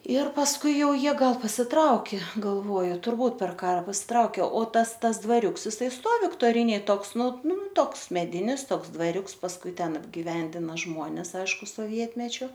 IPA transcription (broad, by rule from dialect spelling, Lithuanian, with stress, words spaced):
ɪr pɐsˈkʊɪ ˈjɛʊ ˈjiɛ ˈɡɐlˠ pɐsʲɪˈtrɐʊkʲeː ɡɐlˠˈʋoːjʊ tʊrˈbuːt pʲɛr ˈkɑːrɐ pɐsʲɪˈtrɐʊkʲeː oː ˈtɐs ˈtɐs dʋɐˈrʲʊks ɪˈsɐɪ ˈstoːw ʋʲɪktoːˈrʲɪnʲeːj ˈtoːks ˈnʊ ˈnʊ ˈtoːks mʲɛˈdʲɪnʲɪs ˈtoːks dʋɐˈrʲʊks pɐsˈkʊɪ ˈtʲɛn ɐbʲɡʲɪˈʋʲɛnʲdʲɪnɐ ˈʒmoːnʲɛs ˈɐɪʃkʊ soːˈʋʲiɛtʲmʲɛt͡ʃʲʊ